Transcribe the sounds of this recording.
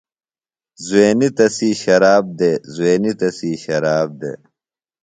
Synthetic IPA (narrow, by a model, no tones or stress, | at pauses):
zuweːnit̪ɐsiːɕɐɾaːb̚d̪ezuweːnit̪ɐsiːɕɐɾaːb̚d̪ḛː